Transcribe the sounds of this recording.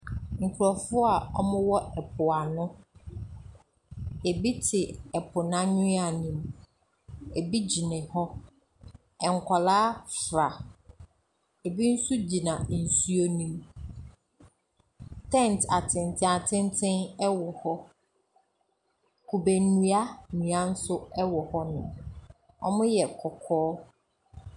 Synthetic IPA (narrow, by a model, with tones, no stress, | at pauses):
ŋ̩˨kʰʊ˨ɾɔ˨fʊ˦a˨ɔ̰˦mʊ̃˦wɔ˦ɛ˨pʰʊ˨a˨nʊ̃˦ | e˨bi˦tʰɪ˨ɛ˨pʰʊ˨nã˦ɲʊ̃˦a˨nĩ˨m | e˨bi˦d͡ʑi˨nɪ̃˨hɔ˦ | ɛ˨ŋ̩˨kʷʰa˨laː˦fɾa˨ | e˨bi˦n̩˦su˦d͡ʑi˨nã˨n̩˨su˦o˦nĩ˦m | tʰɛ̃˦˨n˨tʰa˨tʰɪ̃˨ntʰɪ̃˦˨a˨tʰɪ̃˦ntʰɪ̃˦nɛ˦wɔ˨hɔ˦ | kʰu˨be˨nũ˦a˦nũ˨a˨n̩˦sʊ˦ɛ˦wɔ˨hɔ˦nʊ̰̃˨ | ɔ̰˦mʊ̃˦jɛ˨kʰɔ˨kʰɔː˦